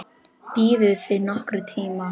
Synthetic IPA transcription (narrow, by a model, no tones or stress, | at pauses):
piːðɪðθvɪnɔhkɾʏt̪ʰiːma